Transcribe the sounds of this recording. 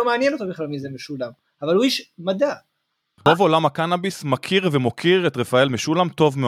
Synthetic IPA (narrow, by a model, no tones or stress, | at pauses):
omeanjenot̪obiχlalmizemeʃulam | avaluiʃmad̪a | ovo̞lamhakanabismakʰiʁvemo̞kʰiʁe̞t̪ʁefaelmeʃulamt̪o̞vme